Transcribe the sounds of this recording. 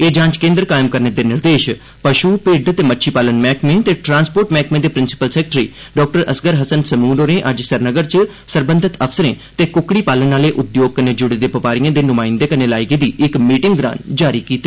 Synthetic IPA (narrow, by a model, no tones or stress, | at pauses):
eːd͡ʒãːɲt͡ʃkẽːnd̪ɾkaːɪmkəɾneːd̪eːnɪɾd̪eːʃ | pəʃuːpɪɖt̪eːmətːʃʰiːpaːlənmɛːkmẽt̪eːʈɾãːnspoːɾʈmɛːkmẽːd̪eːpɾɪnsɪ̥pəlsɛːk̚ʈɾiː | ɖɔːk̚ʈəɾəsɡəɾɦəsənsəmuːɾoːnẽːʔəd͡ʒsəɾnəɡəɾt͡ʃ | səɾbə̃nd̪ʱət̪əpʰsəɾẽː | t̪eːkʊkːɽiːpaːlənaːleːʔʊd̪joːɡ̚kəneːd͡ʒʊɽeːd̪eːpəpaːɾijãːd̪eːnʊmaːɪ̃nd̪eːkəneːlaːɪɡeːd̪iːɪkmiːʈɪŋɡɡ̪ɾã̰ːnd͡ʒaːɾiːkiːt̪e